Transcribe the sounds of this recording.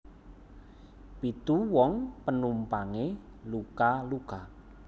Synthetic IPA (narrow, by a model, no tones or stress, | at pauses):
pit̪uwɔŋpənumpaŋe | lukaluka